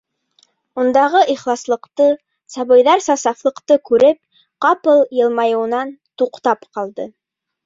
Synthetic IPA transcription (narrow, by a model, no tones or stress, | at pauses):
und̪ɑʁɤʔiχlˠɑslˠɤ̆qt̪ɤ | sɑβɤ̆jðɑɾsɑsɑflˠɤ̆qt̪ɤkʉɾɘp̚ | qɑpɤlˠjɤ̆lˠmɑjɤ̆wnɑnt̪uqt̪ɑpqɑlˠd̪ɤ